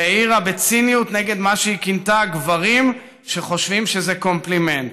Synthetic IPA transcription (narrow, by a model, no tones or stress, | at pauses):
eiʁabet͡sinijutne̞ɡe̞d̪maʃeikintaɡvaʁim | ʃe̞χo̞ʃvimʃe̞zeko̞mpliment